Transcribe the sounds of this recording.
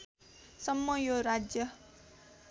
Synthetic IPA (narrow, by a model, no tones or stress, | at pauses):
sʌmːʌjoɾad͡zjʌ